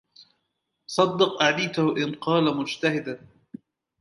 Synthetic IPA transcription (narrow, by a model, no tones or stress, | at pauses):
sˤɑd̪ːɪqʔad̪iːt̪ʊhʊʔɪnqɑːlamʊd͡ʒt̪ahɪd̪an